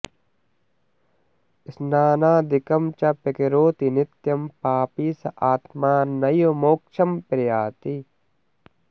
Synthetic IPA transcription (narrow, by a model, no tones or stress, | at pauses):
ɪsnaːnaːd̪ɪkɐmt͡ʃɐpekiɾoːt̪inɪt̪jɐmpaːpisɐʔaːt̪maːnːɐjomoːkʃʰɐmpɾɐjaːt̪i